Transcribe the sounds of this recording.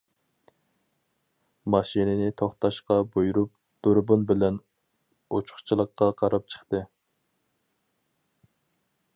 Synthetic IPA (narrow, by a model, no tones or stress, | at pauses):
mɑʃinɪnɪt̪ʰoχt̪ɑʃqɑbojuɾup̚ | d̪̥oɾbunbɪlɛn | ot͡ʃʰʊ̥χt͡ʃʰlˠəqːɑqʰɑɾɑp̚t͡ʃʰə̥χt̪ɨ